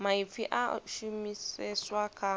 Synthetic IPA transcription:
maifiʔa̰ʃumisɛswakʰa

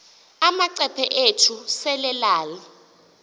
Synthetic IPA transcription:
amaǀɛpʰɛʔetʰusɛlɛlaːli

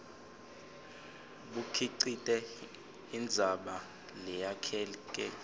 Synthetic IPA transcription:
ɓukʰiǀitʼɛ | ind͡zʱaɓa | lɛjakʰɛːk̬ʼɛ

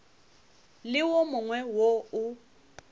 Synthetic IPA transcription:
lɪwomʊŋwɛwoʊ

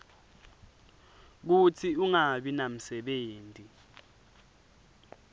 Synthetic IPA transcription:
k̬ut͡sʰiuŋaɓinam̩sɛɓeːntʼi

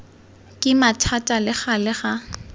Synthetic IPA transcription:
kʼɪmatʰatʼalɪχalɪχa

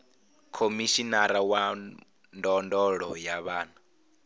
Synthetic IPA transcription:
kʰomiʃinaɾawa | ndɔndɔɺɔjaβaːna

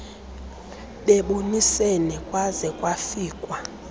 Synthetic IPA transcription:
ɓɛɓonisenɛkʼwazɛkʼwafiːkʼwa

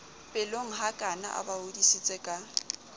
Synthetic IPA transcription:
pʼɪloŋ̩ɦakʼana̰ʔa̰baodisit͡sʼɛkʼa

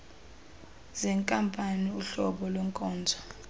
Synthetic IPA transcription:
zɛŋkʼampʼaniuɬɔɓɔlwɛŋkʼɔːnd͡zʱḁ

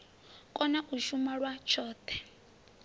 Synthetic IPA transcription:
kʼɔnaʔuʃumaɺwat͡ʃʰɔːtʰɛ̥

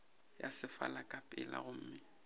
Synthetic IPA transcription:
jasɪfa̰lakʼapʼɪla̰ɣʊm̩ːmɪ

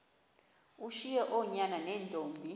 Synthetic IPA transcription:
uʃijɛʔɔɲananɛːndʱoːmbʱi

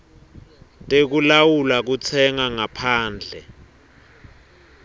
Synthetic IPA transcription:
tʼek̬ulawulak̬ut͡sʰɛŋaŋapʰaːnd͡ɮʱɛ

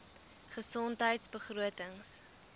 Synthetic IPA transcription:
χəsɔntɦəjtsbəχruətəŋs

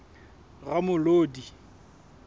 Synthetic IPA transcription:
ɣamʊloːdi

